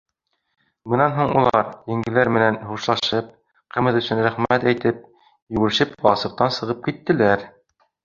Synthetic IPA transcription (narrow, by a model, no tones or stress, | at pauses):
bɤ̆nɑnɦuɴulˠɑɾjɘ̆ŋɡɘ̆læɾmɘ̆nænhuʃlˠɑʃɤp̚ | qɘ̆mɘ̆ðɵ̆sɵnɾæχmæt̪æjt̪ɘp̚ | jɵ̆ɡɘ̆ʃɘpbɑsɤ̆q̚t̪ɑnsɤ̆ʁɤp̚kit̪ːɘ̆læɾ